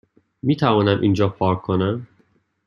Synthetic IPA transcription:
miːt̪ʰævɒːnæmʔiːnd͡ʒɒːpʰɒːɾʰonæm

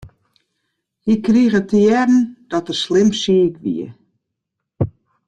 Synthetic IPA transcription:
hikriəɣətəjɛdn̩d̥ɔtəslɪmsikʋḭə

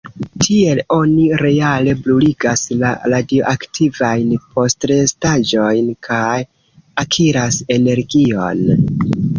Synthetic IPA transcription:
tʰie̞lo̞niɾe̞ale̞bluliɡasla̰ɾadioʔaktʰivajnpʰo̞stɾestad͡ʒo̞jnkʰaj | akʰiɾase̞ne̞ɾɡio̞̰n

